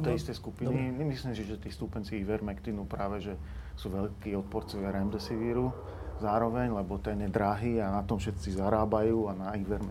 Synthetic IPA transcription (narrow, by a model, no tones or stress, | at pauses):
t̪ɛjist̪ɛjskupiniɛmislimsiʒɛt̪iːst̪upɛnt͡siiʋɛɾmɛkt̪inupɾaːʋɛʒɛsuʋɛʎkiːɔt̪̚pɔɾt͡sɔʋɪaɾɛmd̪ɛsiʋiɾu | zaːɾɔʋɛɲlɛbɔt̪ɛɲɛd̪ɾaɦiːanat̪ɔmfʃɛt̪t͡sizaɾaːbajuːanaiʋɛɾm